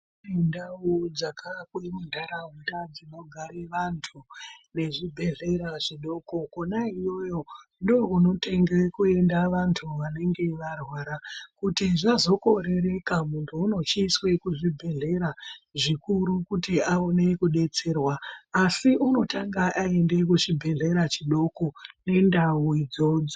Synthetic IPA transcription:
endaod͡zakʰakwemundʱaɾaɦundad͡zino̞ɡʱaɾeʋantʰune̞ʐibʱe̞ɮe̞ɾaʐiɗo̞ko̞konaijo̞jo̞ndouno̞te̞ŋɡekue̞ndaʋantʰuʋane̞ŋɡe̞ʋarwaːɾakutiʐazo̞ko̞ɾe̞ɾe̞kamuntʰuːno̞t͡ʃiːswe̞kuʐibʱe̞ɮe̞ɾaʐikuɾukutiaone̞kuɗe̞t͡se̞ːrwaːsiʔuno̞taŋɡaʔaende̞kut͡ʃibʱe̞ɮe̞ɾat͡ʃiɗo̞kone̞ndawid͡zo̞d͡zo

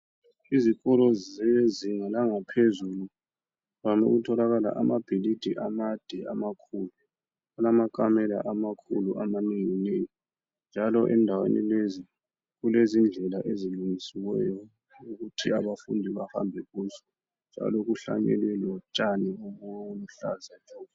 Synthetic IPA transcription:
izikɔlɔzzɛziŋalaŋapʰezulu | lano̰ɣutʰɔlaɣala̰ʔamab̥ʱilid̥ʱiʔamad̥ʱɛamakʰulu | alamakʼamɛla̰ʔamakʰṵluʔamaniŋinejɔ | nd͡ʒʱalɔʔɛndʱawḛnʔḭlezi | ɣulezind͡ɮʱɛlaʔeziluŋisiwɛ̰jɔ | uɣutʰiaβafṵndʱiβaha̰mbʱɛɣusɔ̥ | nd͡ʒʱa̰lɔɣuɬa̰ɲɛ̰lwɛlɔt͡ʃʼanɛumunuɬa̰zad͡ʒʱɔː

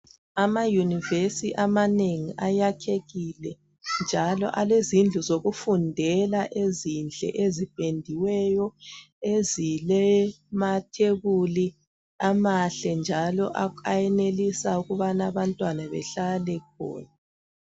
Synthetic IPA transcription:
amajunivesiʔamaneŋiʔajakʰeɣilɛ | nd͡ʒʱalɔ̰ʔalezind͡ɮʱuzoɣufundʱɛlaʔezind͡ɮʱɛ̰ʔezib̥ʱendʱiwɛjɔ | ezilɛ | matʰeβuli | amaɬɛnd͡ʒʱalɔʔaajɛnelisauɣuβanaβantʼwanaβɛ̰ɬalɛk̚ʰɔ̰ːna

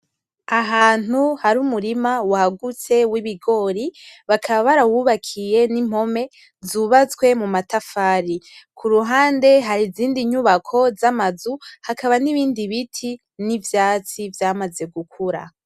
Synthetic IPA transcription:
aɦaːn̥huhaɾumuɾimawahaɡut͡se̞wiβiɡo̞ːɾiβakʰaβaβaɾawuːβakʰije̞nim̥ho̞me̞ | zuβat͡swe̞mumatafaːɾikʰuɾuɦaːnde̞ɦaɾiziːndiɲuβakʰo̞zamazuhakʰaβaniβiːndiβitʰi | nivjaːt͡sivjaːmaze̞ɡukʰuɾa̰

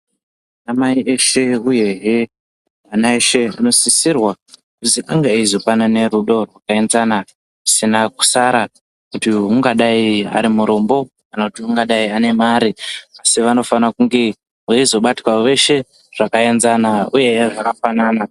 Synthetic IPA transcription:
amaiʔe̞ʃe̞uje̞ɦe | anaeʃe̞ano̞sisirwa | kusiʔaŋɡeizo̞panane̞ɾuɗo̞rwakae̞nzana | ʐisinaku̥saɾa | kutiuŋɡaɗaia̰ɾimuɾo̞mbo̞ | anautiuŋɡaɗaiane̞maːɾiasiʋano̞fanakuŋɡe̞ | ɦaizo̞ɓatwaʋe̞ʃe̞ | ʐ̥akae̞nzanauje̞ʐakafanaːna

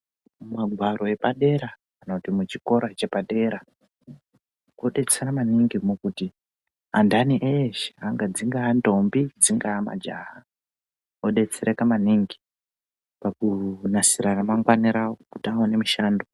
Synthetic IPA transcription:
mumaɡʱwaɾo̞e̞paɗe̞ɾaː | no̞timut͡ʃiko̞ɾat͡ʃe̞paɗe̞ɾa | koɗe̞t͡seramaniŋɡimokuti | a̰ndaniʔeʃaŋɡad͡ziŋɡaːndo̞mbid͡ziŋɡaːma̰d͡ʒa̰ɦa | oɗe̞t͡seɾekamaniŋɡi | pakunasiɾaramaŋɡwaniɾaokutawane̞miʃaːndo

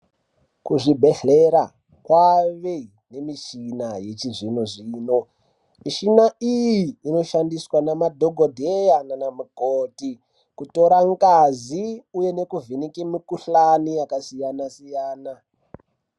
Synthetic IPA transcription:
kuʐibʱe̞ɬeɾa | kwaʋe | ne̞mit͡ʃinaje̞t͡ʃiʐinoʐiːno̞ | miʃinaijiːno̞ʃandiswanamadʱoɡʱodʱejananamukoti | kuto̞ɾaŋkaziuje̞ne̞kuvʱinikemikuɬanijakasijanasijaːna

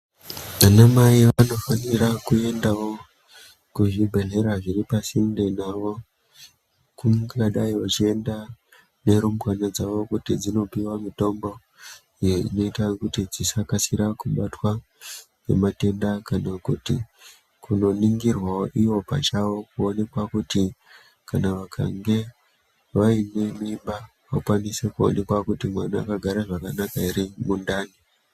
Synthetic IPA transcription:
ʋanamaiʋano̞fanirakue̞ndawo̞ | kuʐibʱe̞ɮe̞ɾaʐiɾipasinde̞naʋo̞ | kuŋaɗaiwat͡ʃie̞nda | ne̞ɾumukanad͡zaʋo̞kutid͡zino̞piwamito̞mbo̞ | ijoḭno̞itakutid͡zisakasiɾakuɓatwa | ne̞̰mate̞ndakanakutḭ | kuno̞niŋɡirwaʔiwo̞pa̰t͡ʃawo̞kuo̞ne̞kwakuti | kanaʋakʰa̰ŋɡe̞ | ʋaine̞mimba | ʋakwanise̞kuo̰ne̞kwakutimwanaːkaɡʱaɾaʐakanakaiɾimundaːni

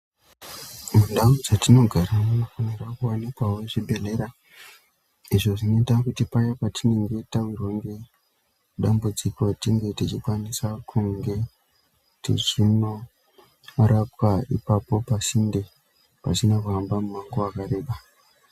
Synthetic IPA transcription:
mundaud͡zatino̞ɡʱaɾamunofanirakuwanikwaweʐibʱe̞le̞ɾa | iʐo̞ʐino̞itakutipajapatine̞ŋɡe̞tauroŋɡi | ɗambud͡zikotiŋɡe̞tit͡ʃikwanisakʰuŋɡe̞ | tit͡ʃino̞ | rapwaḭpapo̞pasinde̞ | pa̰sinakuambamumaŋɡoakaɾe̞ːɓa

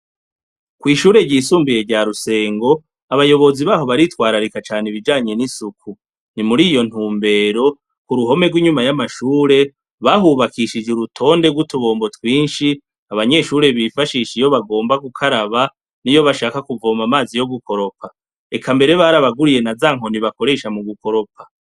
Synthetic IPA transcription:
kwiːʃuːɾe̞ɟiːsuːmbije̞ɾɟaɾuse̞ːŋɡo̞ | aβajo̞βo̞ziβaːɦo̞βaɾitwaːɾaɾikat͡ʃaːneβid͡ʒaːɲe̞nisukʰu | nimuɾiːjo̞n̥huːmbe̞ɾo̞ | kuɾuɦo̞me̞ɡwiːɲumajamaʃuːɾe̞ | βaɦuβakiʃid͡ʒuɾutʰo̞ːnde̞ɡwutuβo̞ːmbo̞twiːnʃi | aβaɲe̞ʃuɾe̞βifaʃiːʃijo̞βaɡo̞ːmbaɡukʰaɾaβa | nijo̞βaʃaːkakuvo̞ːmamaːzijo̞ɡuko̞ɾo̞pʰa | e̞kʰambe̞ɾe̞βaɾaβaɡuɾije̞nazaːŋ̥ɦo̞niβako̞ɾe̞ʃamuɡuko̞ɾo̞pa

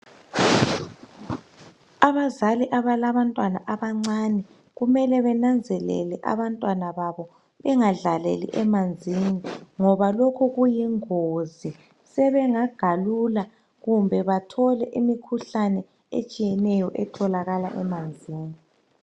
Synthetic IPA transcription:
aβazaliʔaβalaβantʼwana̰ʔaβaŋ͡ǀanɛ | ɣumɛlɛβɛnand͡zʱɛlɛ̰lɛʔa̰βantʼwanaβaβɔ | βɛŋaɮalḛlḭʔɛmand͡zʱiniŋɔβalokʰuɣujiŋozi | sɛβɛŋaɡ̥ʱalula | ɣumbʱɛβatʰɔlɛʔimikʰuɬanɛ | ḛt͡ʃʼijɛnɛjɔʔɛtʰɔlaɣala̰ʔɛmand͡zʱiːni

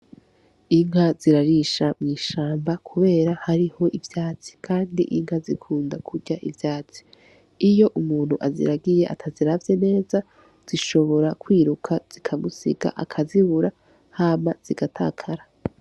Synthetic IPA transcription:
iŋɦaz̥iɾaɾiʃamŋiːʃaːmbakʰuβe̞ːɾahaɾiho̞ʔivjaːt͡si̥kʰaːndḭʔiŋhazikʰuːndakʰuɟaʔivjaːt͡si̥ | ijo̞ʔumuːn̥huʔazḭɾaɡije̞ʔa̰tʰaziɾavje̞ne̞ːza | z̥iʃo̞βo̞ɾakwiːɾukʰaz̥ikʰamusḭɡa̰ʔa̰kʰaziβuɾa | haːmaz̥iɡ̥atʰa̰ːkʰaɾa

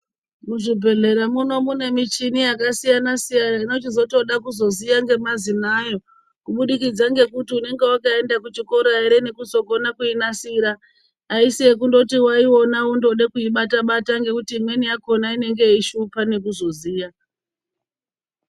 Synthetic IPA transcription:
muʐibʱe̞ɮe̞ɾamuno̞mune̞mit͡ʃinijakasijanasijanaino̞t͡ʃizo̞to̞ɗakuzo̞zijaŋɡe̞mazinaːjo̞ | kuɓuɗikid͡zaŋɡe̞kutiune̞ŋɡe̞wakae̞ndakut͡ʃiko̞ɾaeɾe̞ne̞kuzo̞ɡo̞nakuinasiɾaː | isiekundo̞tiwaio̞naundo̞ɗekuiɓataɓataŋɡe̞kutiːmwe̞nijako̞naine̞ŋɡe̞iʃupane̞kuzo̞ziːja

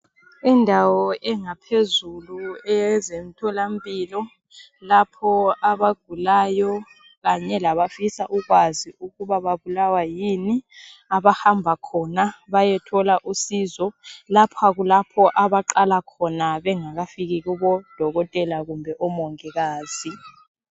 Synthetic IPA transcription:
indʱawɔʔɛŋapʰezuluɛzem̩tʰɔlam̩pʼiːlɔ | lapʰɔaβaɡ̥ʱulaːjɔ | k̬aɲɛlaβafisaʔuk̬waziukuβaβaβulawajiniaβahambʱakʰɔnaβajɛtʰɔlaʔusizɔlapʰak̬ulapʰɔʔaβaǃalakʰɔnaβɛŋak̬afik̬ik̬uɓɔd̥ʱɔɣɔtʼɛlaɣumbʱɛʔɔmɔŋɛkaːzi

